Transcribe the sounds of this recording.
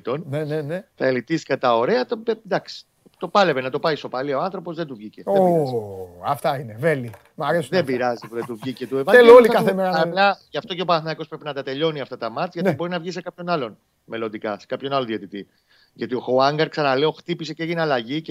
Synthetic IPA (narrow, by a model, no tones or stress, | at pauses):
t̪o̞nnenenet̪ɐelit̪isi̥kɐt̪ɐo̞ɾe̞ɐt̪oed̪ɐksi̥ | t̪o̞pɐlevenɐt̪o̞pɐist̪o̞pɐlio̞ɐnθɾopo̞zðed̪uvʝiceoezɐft̪ɐineveli | mɐɾesuðebiɾɐzipuðed̪uvʝicet̪uevɐzelolikɐθemeɐplɐʝɐft̪o̞ce̞opɐnθnɐiko̞spɾe̞pinɐt̪ɐt̪e̞ʎo̞niɐft̪ɐt̪ɐmɐt͡sʝɐibo̞ɾinɐvʝis̬e̞kɐpço̞nɐlo̞n | me̞lo̞nd̪ikɐ̰se̥kɐpço̞nɐloðiet̪it̪i | ʝɐt̪ioxoɐŋɡɐɾksɐnɐle̞o̞xt̪ipiseceeʝineɐlɐʝie